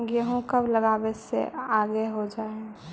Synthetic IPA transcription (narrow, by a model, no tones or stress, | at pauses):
ɡjəɦũkəbləɡaːbesḛaːɡeɦod͡ʒaːẽ